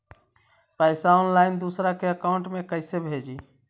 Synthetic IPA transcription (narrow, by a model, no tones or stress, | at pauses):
paɪsaʊnlaɪnd̪usɾakeəkaʊɳʈmekəɪsebʱed͡ʒi